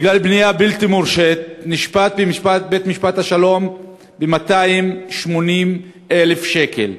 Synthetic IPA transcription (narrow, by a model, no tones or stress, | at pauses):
biɡlalbnijabilt̪imuʁʃet̪̚niʃpat̪̚bemiʃpat̪̚bet̪miʃpat̪haʃalo̞m | bemat̪aimʃmo̞nim | ele̞fʃe̞ke̞̰l